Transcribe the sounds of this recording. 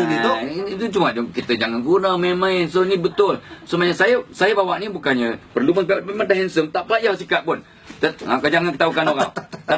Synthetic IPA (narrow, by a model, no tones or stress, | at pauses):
nioiit̪ut͡ʃumaʔd͡ʒʊŋkit̪əd͡ʒaŋanɡunamemãɪnsonibət̪ʊlsəmaɲasajəsajəbawaʔnibukanɲəpərlumanpeemand̪aɦɛnsəmt̪aʔpəlajawsikaʔ̪̚pʊn | t̪əakad͡ʒaŋankət̪aɦukanoɣaŋt̪a